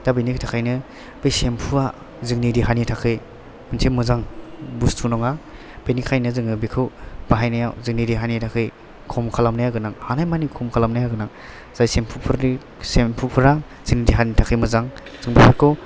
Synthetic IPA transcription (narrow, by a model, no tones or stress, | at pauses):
dabijnikʰtʰakʰajnɯ | bejsempʰua | zɯŋnidiɦanitʰakʰɯj | mɯnsʰemɯzaŋbustʰunɔŋa | b̥enikʰajnɯzɯŋɯbikʰɯwb̥aɦajnajawzɯŋniɾiɦanitʰakʰɯj | kʰɔmkʰalamnajaɡɯnaŋhanajmanikʰɔmkʰalamnajaɡɯnaŋ | z̥ajsempʰupʰuɾi | sempʰupʰɯɾa | z̥ɯŋnidiɦanitʰakʰɯjmɯzaŋz̥ɯŋbipʰaɾkʰɯw